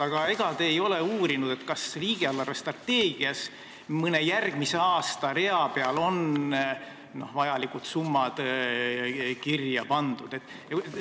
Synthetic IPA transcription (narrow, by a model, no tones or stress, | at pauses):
ɑɡ̥ɑeɡ̥ɑt̪eːjo̞le̞uːɾinud̪̥e̞t̪ːkɑsliːɡ̥eɑlːɑrest̪rɑt̪ːe̞ːɡ̥iɑs | mɤne̞jærɡ̥mise̞ɑːst̪ɑɾe̞ɑpe̞ɑlo̞n | no̞̰hvɑjɑlikut̪sumːɑd̪̥ | kirjɑpɑnd̪̥ud̪̥e̞t̪ːˑ